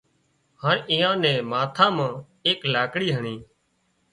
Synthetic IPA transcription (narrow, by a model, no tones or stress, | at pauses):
haːɳɪjãːnɛ̃ːmaːt̪ʰãːmãː | eːklaːkɽiːɦəɳiː